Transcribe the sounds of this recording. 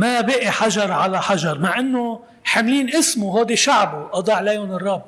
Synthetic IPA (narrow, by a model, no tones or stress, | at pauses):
mabiːʔiħaʒɑɾˤʕalaħaʒɑɾˤmaʕʔɪnːʊ | ħamliːnʔɪsmʊɦoːd̪iʃaʕbuʔɑd̪ˤɑːʕleːjhʊnɨrˤːɑbː